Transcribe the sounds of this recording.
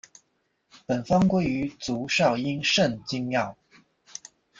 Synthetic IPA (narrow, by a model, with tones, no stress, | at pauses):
pə˨˩nfɑ˥ŋkwe˥ɪy˧˥˦t͡su˨˥ʂɑ˥˩ʊi˥nʂə˥˨nt͡ɕi˥ŋmjɑ˥˨˩ʊ